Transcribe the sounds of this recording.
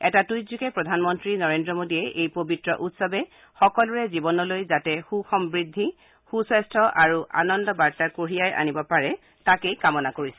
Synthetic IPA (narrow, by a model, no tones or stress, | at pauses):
ɛtatujzukɛpɹɔdʱanmɔntɹinɔɹendɹɔmodiɛʔejpobitɹɔʔutsɔbɛ | xɔkɔlʊɹɛzibɔnɔlojzatɛxuxɔmbɹidʱːi | xusɛstʰɔʔaɹuʔa̰nɔndɔbaɹtakoɹijajʔa̰nibɔpaɹɛ | takejkamɔnakoɹisɛ